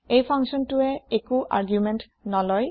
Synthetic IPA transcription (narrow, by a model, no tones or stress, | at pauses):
ejpʰaŋksɔntʊɛekuʔa̰ɹɡjumɛnt | nɔlɔj